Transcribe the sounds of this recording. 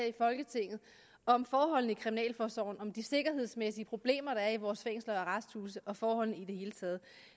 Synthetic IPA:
ifɒ̽lɡ̥ət͡sʰe̝ŋ̰ð̩ˠ | ɒ̽mfɒːɦɒ̽l̰n̩ikʰʁiminɛ̰ːlfɒːsɒʊ̰n̩ɒ̽md̥ise̝ɡ̥ɐɦe̝ð̞̰ˠsmesiəpʰʁo̝b̥le̝̰ːmɐɾ̥ɑ̈æɐiʋɒːsfeŋ̰slɐɒʁasd̥huːsəʔɒ̽fɒːhɒ̽l̰n̩id̥e̝he̝ːlət͡sʰɛːð̞̩ˠ

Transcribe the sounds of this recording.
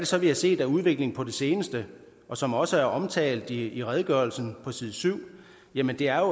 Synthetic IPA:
ɾ̥e̝sɒ̽ʋihæse̝̰ːd̥æuð̞ˠʋe̝ɡ̥le̝ŋpʰɒ̽d̥e̝se̝ːnəsd̥ə | ʔɒ̽sɒ̽mɒ̽səæɐʔɒ̽mt͡sʰɛ̰ːld̥iiʁɛðˠəɡ̥ɶɐlsn̩pʰɒ̽sið̞ˠsyʊ̰ | jæmənd̥e̝æɐjo

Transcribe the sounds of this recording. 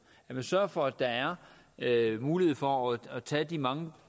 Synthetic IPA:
jæmensɶɐfɒ̽æd̥ɑ̈æɐ | muːlihe̝ð̞̩ˠfɒ̽ɒːt͡sʰɛːd̥imɑ̈ŋə

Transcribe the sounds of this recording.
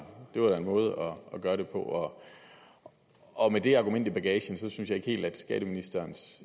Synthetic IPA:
d̥e̝ʋɑ̈ɾ̥æe̝nmɔ̽ːð̞ˠəʔɒ̽ʔɒɡ̥ɶːɐɾ̥e̝pʰɒ̽ʔɒ̽ | ɒ̽med̥e̝ɑ̈ɡ̥umen̰d̥ib̥æɡ̥ɛːɕən̩sɒ̽synsjɑ̈ɪe̝ɡ̥əhe̝̰ːld̥æd̥sɡ̥ɛ̰ːɾ̥əminisd̥ɐːns

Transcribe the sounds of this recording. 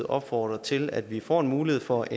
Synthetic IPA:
ð̩ˠɒ̽b̥fɒ̰ːd̥ʁɐt͡sʰe̝læd̥ʋifɒ̰ːe̝nmuːliheð̰ˠfɒ̽ʔe

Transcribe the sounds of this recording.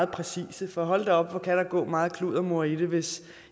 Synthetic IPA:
ð̩ˠpʰʁɛsḭːsəfɒɦɒ̽l̰d̥eɒ̽b̥fɒ̽kʰæɾ̥ɑ̈ɡ̥ɔ̰ːmɑ̈ːð̞̩ˠkʰluðˠɐmo̝ɐ̰iɾ̥eʋe̝s

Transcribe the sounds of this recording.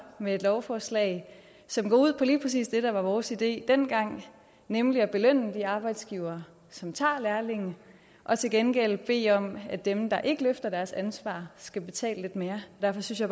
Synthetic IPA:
mee̝d̥lɒʊfɒːslɛ̰ɪ | sɒ̽mɡ̥ɒ̰uð̞̰ˠpʰɒ̽liːpʰʁɛs̬ḭːsd̥e̝ɾ̥ɑ̈ʋɑ̈ʋɒːsid̥e̝̰ːd̥en̰ɡ̥ɑ̈ŋ̰ | nemliæb̥e̝løn̰əd̥iɑ̈ːb̥ɑ̈ɪd̥sɡ̥iːʊɐː | sɒ̽mt͡sʰɑ̰̈ːlæɐle̝ŋn̩ | ʔɒ̽t͡sʰe̝lɡ̥enɡ̥el̰b̥e̝̰ːɒ̽mæd̥emd̥ɑ̈ʔe̝ɡ̥əløfd̥ɐd̥æɐsænsʋɑ̰̈ːsɡ̥æb̥e̝t͡sʰɛ̰ːləle̝d̥me̝ːɐɒd̥æɐfɒ̽synsjɑ̈ɪ

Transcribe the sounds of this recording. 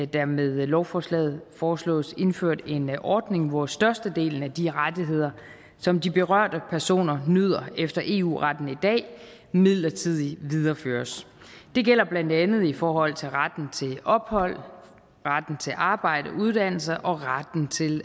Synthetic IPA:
d̥æɐmeð̞ˠlɒʊfɒːslɛ̰ːð̩ˠfɒːslɔ̰̽ːse̝nføɐ̰d̥e̝nʔɒːd̥ne̝ŋʋɒsd̥ɶɐsd̥əd̥e̝̰ːln̩æd̥iʁadiɦe̝ð̞̰ˠɐ | sɒ̽md̥ib̥e̝ʁɶɐ̰d̥əpʰæɐso̝̰ːnɐnøð̞̰ˠɐefd̥ɐʔe̝ːṵːʁɑd̥n̩id̥ɛ̰ː | mið̰ˠlɐt͡sʰið̞̰ˠiʋið̞ˠɐføːɐs | d̥e̝ɡ̥el̰ɐb̥lænd̥ænð̩ˠifɒːɦɒ̽l̰t͡sʰe̝lʁad̥n̩t͡sʰe̝lɒ̽b̥hɒ̽l̰ | ʁad̥n̩t͡sʰe̝lʔɑ̈ːb̥ɑ̈ɪ̰ɾ̥əuð̞ˠd̥æn̰l̩səʔɒ̽ʁad̥n̩t͡sʰe̝l

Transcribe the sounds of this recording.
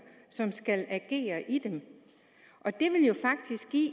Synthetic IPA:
sɒ̽msɡ̥ælæɡ̥e̝̰ːɐʔid̥em | ʔɒ̽d̥e̝ʋe̝ljo̝fɑ̈ɡ̥̚d̥isɡ̥ḭː

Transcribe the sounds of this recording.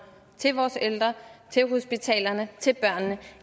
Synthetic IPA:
t͡sʰe̝lʋɒːseld̥ʁɐt͡sʰe̝lɦosb̥it͡sʰɛ̰ːlɐnət͡sʰe̝lb̥ɶɐ̰nːə

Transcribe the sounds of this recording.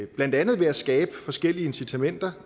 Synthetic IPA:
b̥læn̰d̥ænð̞̩ˠʋe̝æsɡ̥ɛːb̥əfɒ̽sɡ̥el̰iəe̝nsit͡sʰæmen̰d̥ɐ

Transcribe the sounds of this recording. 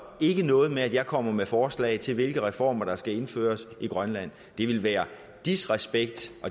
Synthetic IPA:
e̝ɡ̥ənɔ̽ːð̞̩ˠmeæd̥jɑ̈ɪkʰɒ̽m̰ɐmefɒːslɛ̰ːɪt͡sʰe̝lʋe̝lɡ̥əʁɛfɒ̰ːmɐɾ̥ɑ̈sɡ̥æe̝nfø̰ːɐsiɡ̥ʁɶnlæn̰ | d̥e̝ʋe̝lʋæːɐ | d̥isʁɛsb̥eɡ̥̚d̥ʔɒ̽

